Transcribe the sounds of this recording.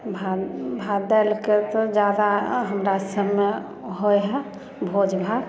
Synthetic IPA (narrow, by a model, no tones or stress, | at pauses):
bʱabʱad̪ɛlket̪ɔd͡ʒad̪aɦəmɾasəbme | ɦojɦɛ | bʱod͡ʒbʱa